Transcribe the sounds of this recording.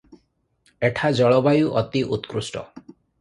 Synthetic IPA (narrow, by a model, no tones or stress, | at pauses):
eʈʰad͡ʒɔɭɔbajuʔɔt̪iʔut̪kɾusʈɔ̰